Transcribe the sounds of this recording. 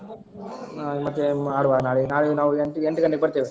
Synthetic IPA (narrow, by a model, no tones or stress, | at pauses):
amɐt̪ːeaːɽuʋaːd̪naːɭenaːɭenaːʋueɳʈieɳʈkɐɳʈeɡebɐɽt̪iːʋe